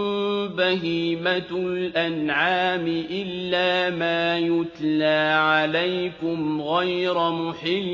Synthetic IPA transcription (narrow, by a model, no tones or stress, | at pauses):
baɦiːmalʔanʕaːmɪʔɪlːaːmaːjʊt̪laːʕalajkʊmɣajɾamʊħɪlː